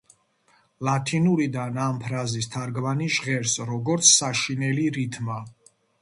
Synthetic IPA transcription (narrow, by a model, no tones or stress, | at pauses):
lat̪ʰinuɾid̪anampʰɾazist̪ʰaɾɡvaniʃʁɛɾsɾɔɡɔɾt̪sʰːaʃinɛliɾit̪ʰma